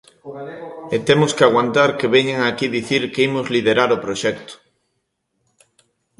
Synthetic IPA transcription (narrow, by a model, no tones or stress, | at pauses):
et̪emʊskeaɣwant̪aɾkeβeɲeŋaːkiðiθiɾkeimʊzlið̞eɾaɾopɾoʃɛk̚t̪ʊ̥